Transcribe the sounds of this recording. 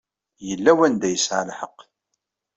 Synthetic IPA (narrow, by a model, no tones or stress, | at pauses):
jəlːæwænd̪æjəsʕa̰lħəqː